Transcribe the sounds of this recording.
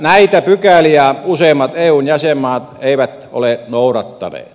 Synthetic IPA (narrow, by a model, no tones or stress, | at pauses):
næit̪æpykæliæuseˑːmːˑɑt̪eːuːnjæsemːˑɑːt̪eiʋæt̪ | o̰lenourɑt̪ːɑ̰nḛːt̪